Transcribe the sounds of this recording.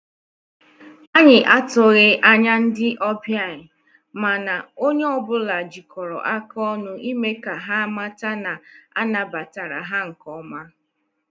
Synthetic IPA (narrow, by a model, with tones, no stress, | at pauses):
a˦ɲɪ˨ʔa˦tʊ˨ɣɪ˦ʔa˦ɲa˦n̩˦dɪ˦ʔɔ˦bja˦˨ɲɪ˨ | ma˨na˨o˦ɲe˦ɔ˦bʊ˦la˨d͡ʒi˨kʰɔ˨ɾɔ̰˨ʔa˦kɔ˦nʊ˦ʔi˦me˦ka˨ɦa˦ma˦ta˦na˨a̰˦na˨ba˨ta˨ɾa̰˨ɦa˦ŋ̩˨kɔ˦ma˦